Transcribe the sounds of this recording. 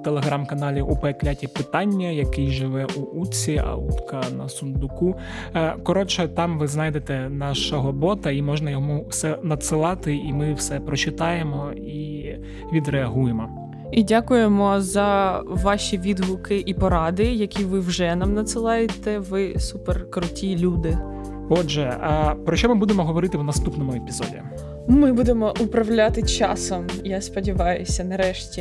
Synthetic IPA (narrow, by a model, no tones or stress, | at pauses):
t̪elˠeɦɾɑmkɐnɑlʲiʔupeklʲatʲipɪt̪ɑnʲːɐjɐkɪjʒɪʋɛʔuut͡sʲiɐ̰ṵt̪kɐnɐsʊnd̪ʊku | kɔɾɔt͡ʃɛt̪ɑmʋɪznɑjd̪et̪ɛnɑʃɐɦɔbɔt̪ɐimɔʒnɐjɔmuwsɛnɐt̪sɪlˠɑt̪ɪimɪwsɛpɾɔt͡ʃɪt̪ɑjemɔ | i | ʋʲid̪ɾeɐɦujemɔ | idʲakʊjemɔzɐʋɑʃʲiʋʲid̪ʋʊkɪʔipɔɾɑd̪ɪjɐkʲiʋɪwʒɛnɑmnɐt̪sɪlˠɑjet̪ɛʋɪsuperkɾʊtʲilʲud̪ɪ | ɔʒɛpɾɔʃɔmɪbud̪emɔɦɔʋɔɾɪt̪ɪwnɐst̪upnɔmʊepʲizɔ̰dʲḭ | mɪbud̪emɔʔʊpɾɐwlʲat̪ɪt͡ʃɑsɔmjaspɔdʲiʋɑjʊsʲɐnɐɾɛʃtʲi